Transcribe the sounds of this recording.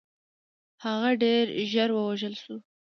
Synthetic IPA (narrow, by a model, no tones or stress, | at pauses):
haɣaɖeɾʒaɾwəwaʒəlʃu